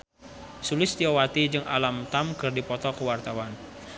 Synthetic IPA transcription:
sulɪst̪iɔwat̪id͡ʒɨŋa̰lamt̪amkɨrdipɔt̪ɔkəwart̪awan

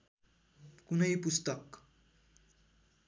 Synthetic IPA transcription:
kunəɦipust̪ək

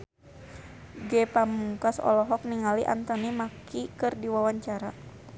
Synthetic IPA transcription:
ɡɛpamuŋkasɔ̰lɔɦɔk̚niŋaliʔa̰nt̪ənimakʰikɨrdiwawaɲt͡ʃaɾa

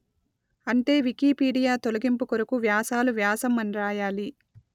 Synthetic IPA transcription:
ɐɳʈe̞ːʋikiːpiːɽijaːt̪olɐɡimpukoɾukuʋjaːsaːluʋjaːsɐmɐnɾaːjaːli

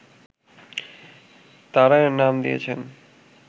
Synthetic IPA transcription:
t̪aɾaenamd̪ḭjḛt͡ɕʰen

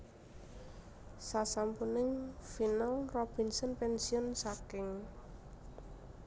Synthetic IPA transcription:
sasampunɪŋfinalrɔb̥i̤nsənpɛnsiʊnsakɪŋ

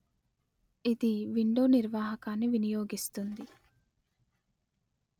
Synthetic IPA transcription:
id̪iʋiɳɖoːniɾʋaːɦɐkaːnːiʋinijoːɡist̪und̪i

